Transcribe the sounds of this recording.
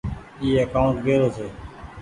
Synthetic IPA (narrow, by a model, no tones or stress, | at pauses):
iːəkaːʊɳʈ̪ɡeːɾoːseː